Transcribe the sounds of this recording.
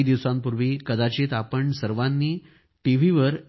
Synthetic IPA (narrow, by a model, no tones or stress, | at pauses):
d̪iʋsampuɾʋiːkəd̪at͡ɕet̪apəɳsəɾʋanːiː | ʈiʋ̤iʋəɾ